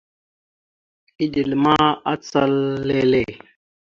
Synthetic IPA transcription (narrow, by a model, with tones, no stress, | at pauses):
i˦di˨lma˦a˦t͡sa˦lːe˦le˦˨